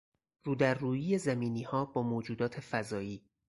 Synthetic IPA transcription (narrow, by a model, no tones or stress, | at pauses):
ruːd̪æɾːuːjiːje̞zæmiːniːhɒːbɒːmoːd͡ʒuːd̪ɒːt̪ʰe̞fæzɒːiː